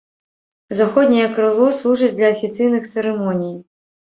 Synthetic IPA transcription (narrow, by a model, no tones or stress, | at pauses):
zaxɔd̪ʲnʲijɛkɾɨlˠɔslˠuʐɨt͡sʲd̪lʲɐɐfʲit̪sɨjnɨxt̪sɛɾɛmɔnʲij